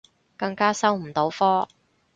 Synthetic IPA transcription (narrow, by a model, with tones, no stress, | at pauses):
kɐ˧ŋkaː˥sɐ˥wm̩˨˩t̪o˨˧˥wfɔː˥